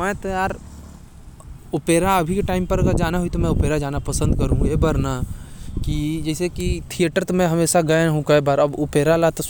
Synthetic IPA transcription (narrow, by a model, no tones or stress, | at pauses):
mɛ̃t̪ɐjaːɾ | ʊpeːɾaɐbʱikeʈaːɪmpɐɾɐɡəɾd͡ʒaːnaɦʊit̪omɛ̃ʊpeːɾad͡ʒaːnapɐsə̃nd̪kɐɾũɦũjeːbɐɾnakid͡ʒɛːsekit̪ʰijəʈəɾt̪omɛ̃ɦɐmeːʃaɡɐẽɦũkɐebaːɾɐbʊpeːɾalat̪o